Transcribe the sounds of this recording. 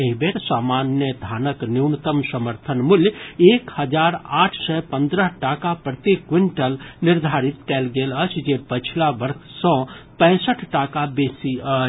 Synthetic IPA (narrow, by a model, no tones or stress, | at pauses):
eɦbeɾsamanjəd̪ʱanəkniwnət̪əmsəməɾt̪ʰənmuljekhəd͡ʒaɾaʈʰsəjpənd̪ɾəɦʈakapɾət̪ikwiɳʈəlniɾd̪ʱaɾit̪kɛlɡelət͡ʃʰd͡ʒepət͡ʃʰilabəɾksə̃pɛ̃ːsəʈʰʈakabesiə